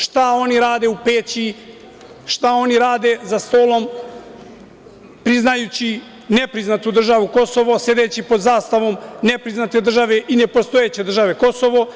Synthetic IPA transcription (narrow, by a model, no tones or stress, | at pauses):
ʃt̪ao̞niɾaːd̪e̞upeːt͡ɕi | ʃt̪ao̞niɾaːd̪e̞zast̪o̞ːlˠo̞m | pɾiznajut͡ɕi | ne̞pɾiznat̪ud̪r̩ʒaʋuko̞so̞ʋo̞se̞d̪et͡ɕipo̞d̪zaːst̪aʋo̞mne̞pɾiznat̪e̞d̪r̩ʒaʋe̞ʔine̞po̞st̪o̞et͡ɕe̞d̪ɾr̩ʒaʋe̞ko̞so̞ʋo̞